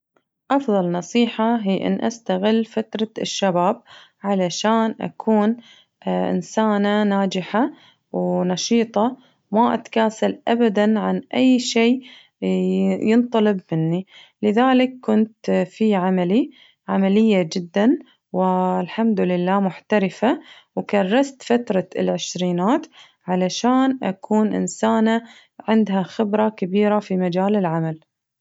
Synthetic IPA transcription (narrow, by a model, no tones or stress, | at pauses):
ʔɑfðˤɑlnɑsˤiːħaɦiːʔɪ̰nːʔa̰st̪aɣɪlːfat̪ɾˤɑʃːabaːb̚ | ʕalaʃaːnʔa̰kʰuːn | ʔɪ̰nsaːnanaːd͡ʒɪħa | wnɑʃiːt̪ˤɑ | maʔa̰t̪ḁkaːsalʔabad̪anʕanʔajːʃeː | jɨnt̪ˤɑlɨbmɪnːilɪðaːlɪkːʊnt̪fiʕamali | ʕamalɪjːad͡ʒɪd̪ːan | wɪlħamd̪ʊlɪlːaːmʊħt̪aɾɪfa | wkɑrˤːɑst̪fat̪ɾˤɑɪlʕɪʃɾiːnaːt̪ | ʕalaʃaːnʔa̰kʰuːnʔɪ̰nsaːna | ʕɪnd̪ɦaxɪbɾˤɑkabiːɾafimad͡ʒaːlɪlʕamal